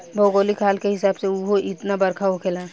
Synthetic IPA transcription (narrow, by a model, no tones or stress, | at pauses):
bʱoːɡoːlikʰaːlkeɦɪsaːbseuɦoʔɪt̪nabɐɾkʰaɦokʰeːlaː